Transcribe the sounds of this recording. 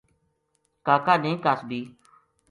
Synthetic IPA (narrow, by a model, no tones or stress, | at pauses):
kaːkaːnẽːkasbiː